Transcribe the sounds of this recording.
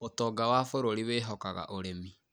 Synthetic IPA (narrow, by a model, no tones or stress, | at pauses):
otɔːɡawaːfoɾoɾiweːɦɔkaɣa̰ʔoɾemi